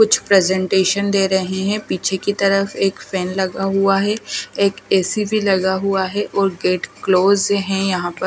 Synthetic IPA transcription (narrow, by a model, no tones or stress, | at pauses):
kʊt͡ʃʰpɾɛːzɛ̃ɳʈeːʃənd̪eːɾɐɦeɦɛ̃piːt͡ʃʰekit̪ɐɾəfeːkfɛːnlɐɡaɦuaɦɛeːkeːsibʱilɐɡaɦuaɦɛʔɔːɾɡeːʈkloːzɦɛ̃jɐɦãpɐɾ